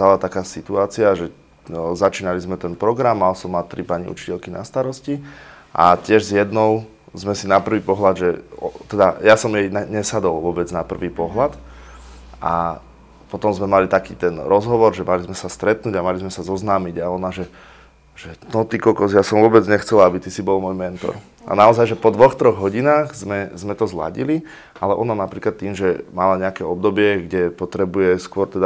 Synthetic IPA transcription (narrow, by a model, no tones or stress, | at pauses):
t̪alat̪akaːsit̪uaːt͡siaʒɛ | zat͡ʃiːnalizmɛt̪ɛnpɾɔɡɾamːalsɔmːat̪ɾipaɲḭʔṵt͡ʃi̥cɛʎkina̰st̪aɾɔsciʔa̰cɪɛʒzjɛd̪nɔʊ | zmɛsinapr̩ʋiːpɔɦlad̪ʒɛɔt̪ɛd̪ajasɔmjɛjnaɲɛsad̪ɔlʋʊɔbɛd͡znapr̩ʋiːpɔɦlat̪ | ʔa̰ | pɔt̪ɔmzmɛmalit̪akḭːt̪ɛnɾɔzɦɔʋɔɾʒɛmalizmɛsast̪ɾɛt̪nuːɟamalizmɛsazɔznaːmiɟaɔnaʒɛ | ʒ̥ɛnɔt̪ikɔkɔzjasɔmʋʊɔbɛd͡zɲɛxt͡sɛlaabit̪isibɔlmɔjmɛnt̪ɔ̰ɾ | ʔa̰naɔzajʒɛpɔd̪ʋɔxt̪ɾɔɣɦɔɟinaːɣzmɛzmɛt̪ɔzla̰ɟili | ʔalɛʔɔnanapɾiːklat̪ːiːmʒɛmalaɲɛakɛɔbd̪ɔbɪɛɡɟɛpɔt̪ɾɛbujɛskʊɔɾt̪ɛd̪a